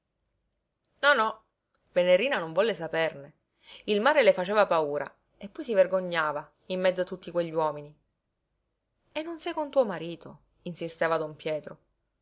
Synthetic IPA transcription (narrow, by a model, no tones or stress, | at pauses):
nɔnɔ | veneɾiːnanoɱvɔlːesaperne | ilmaːɾelefat͡ʃeːvapauːɾʔa̰ | epːɔjs̬iverɡoɲːaːva | imːɛd̪zoat̪ːut̪ːikweʎːiwɔːmini | enːonsɛjkont̪uomaɾiːt̪o | insist̪eːvad̪ompjɛːt̪ɾo